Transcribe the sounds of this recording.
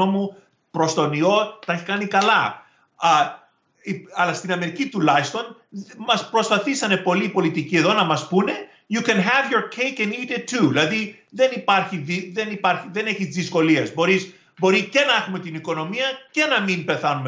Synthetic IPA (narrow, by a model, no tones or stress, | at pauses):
omu | pɾo̞st̪o̞nio̞t̪ɐeçikɐnikɐlɐ | iɐlɐst̪inɐme̞ɾicit̪ulɐjist̪o̞n | mɐspɾo̞spɐθisɐne̞po̞lipo̞lit̪icieðo̞nɐmɐspune̞ | jukɛnɦɛvjoɾkʰekenit̪et̪ʰːuðilɐði | ðe̞nipɐɾçiðiðe̞nipɐɾçiðe̞ne̞çizðisko̞liɐzbo̞ɾis | bo̞ɾice̞nɐe̞xume̞t̪iniko̞no̞miɐce̞nɐmimbe̞θɐnume